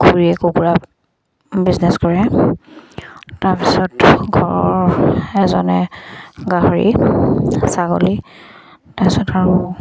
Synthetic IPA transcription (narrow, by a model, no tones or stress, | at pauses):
kuɹiɛkokuɹa | biznɛskɔɹɛ | taɹpi̥sɔtɡʱɔɹɔɹɛzɔnɛɡaɦoɹḭ | saɡo̰li | tapisɔtaɹu